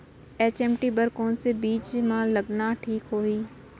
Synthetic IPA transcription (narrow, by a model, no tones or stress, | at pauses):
eːt͡ʃeːmʈibɐɾkoːnsebiːt͡ʃmãlɐɡnaʈʰiːkɦoːiː